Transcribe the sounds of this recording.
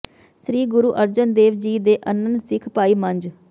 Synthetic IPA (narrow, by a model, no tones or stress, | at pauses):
sɾiːɡʊɾuːʔəɾd͡ʒənd̪eːʋd͡ʒiːd̪eːʔənənsɪkʰpaːiːmə̃ɲd͡ʒ